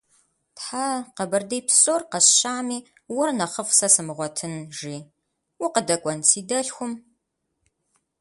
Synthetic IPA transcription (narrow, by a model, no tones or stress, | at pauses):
tħaqɐbɐrdejpʰsoːrqɐɕɕaːmiː | wɐrnɐχəfsɐsɨmɨʁʷɔtʰɨnʒiː | wʊqədɐkʷʼɔnsʰiːdɐɬxʷʊm